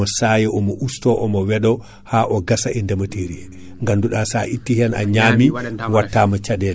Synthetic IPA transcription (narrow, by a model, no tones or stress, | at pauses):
ɔsajɛʔɔmɔʔustɔʔɔmɔwɛɗɔ | haʔɔɡasaʔɛndɛmateɾiɛ | ŋɡanduɗasaʔitːihɛna̰ɲaːmiwatːaːmɔt͡ʃadɛl